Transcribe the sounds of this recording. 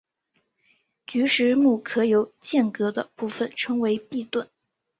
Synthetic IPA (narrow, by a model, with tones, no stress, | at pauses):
t͡ɕy˧˥ʂɻ̩˧˥mu˥˩kʰɤ˧˥jo˧˥ʊt͡ɕjɛ˥˩nkɤ˧˥d̪ə˧pu˥˩fə˨˩nʈ͡ʂʰɤ˧˥ŋwe˧˥ɪpi˥˧t̪wə˥˩n